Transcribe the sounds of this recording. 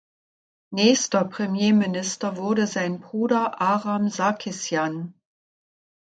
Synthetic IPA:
nɛːstɐpʁ̥emjeːmɪnɪstɐvʊɐdəzaɪnbʁuːdɐʔaːʁamzakʰɪsjan

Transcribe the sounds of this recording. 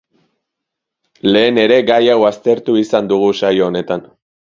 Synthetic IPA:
le̞ːne̞ɾe̞ɡajawast̪e̞ɾt̪uisand̪uɣ̞usajo̞ːne̞t̪an

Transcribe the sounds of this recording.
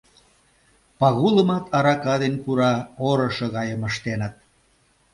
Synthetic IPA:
pɑɣulə̆mɑt̪ɑɾɑkɑðenpuɾɑoɾə̆ʃɤɣɑjəməʃt̪enət̪̚

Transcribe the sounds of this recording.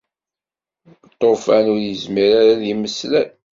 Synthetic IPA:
t̪ˤːofænʊɾjəzmiɾaɾaðiməslæn

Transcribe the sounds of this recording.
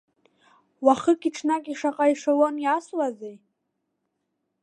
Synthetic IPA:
waχəkʲʼiʈ͡ʂʰnakʼiʂaqʼaiʂawonjaswazej

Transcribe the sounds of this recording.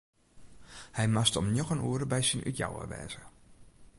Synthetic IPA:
hɛjmastɔmnjoxənuəɾəbɛjsinʔy̰tja̰wə̰ʋɛ̰ːz̥ə

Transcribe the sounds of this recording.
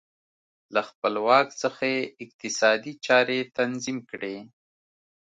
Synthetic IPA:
laxpəlwɑksəxaeɪq̚t̪ɪsɑd̪it͡ʃɑɾet̪anzimkɽe

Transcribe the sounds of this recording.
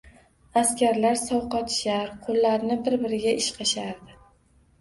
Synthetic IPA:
askʲaɾlaɾsɒwqɑt̪ʰʃaɾqʰolˠːaɾnɪbɪɾbɪɾɪɡʲaʔɪʃqʰɑʃaɾd̪ɪ

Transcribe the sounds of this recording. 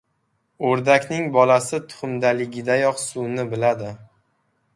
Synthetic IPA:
oɾd̪akʲnɪŋbɒlasɪt̪ʰʊ̥χʊmd̪alɪɡʲɪd̪ajɒqsʊnɪbɪlad̪ɪ

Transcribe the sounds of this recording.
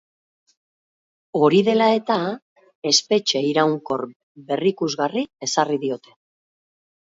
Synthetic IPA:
o̞ɾiðe̞lae̞t̪a | e̞spe̞t͡ʃe̞iɾawŋko̞r | be̞rikuzɣarie̞sariðio̞t̪e̞̥

